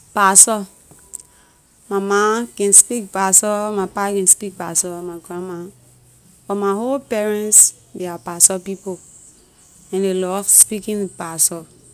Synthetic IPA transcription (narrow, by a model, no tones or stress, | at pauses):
pasɔ | mamakɛ̃nspik̚pasɔmapakɛ̃nspik̚pasɔmaɡɾãman | fɔmaholpɛɹɛ̃ns | biapasɔpipo | ɛ̃nelɔfspikĩnpasɔ